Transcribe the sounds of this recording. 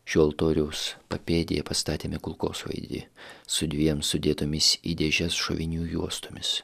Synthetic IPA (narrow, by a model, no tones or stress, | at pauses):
ʒʲoːlˠt̪oːɾʲɛʊspɐpʲeːd̪ʲɪjɛpɐst̪ɑːt̪ʲeːmʲɪkʊlˠko̰ːsʋɐ̰ɪd̪ʲɪ̰sʊd̪ʲʋʲiɛmsʊd̪ʲiːt̪ʊmʲɪsḭd̪ʲɛʒʲɛsʃo̰ʋʲɪnʲuːjuɔst̪omʲɪs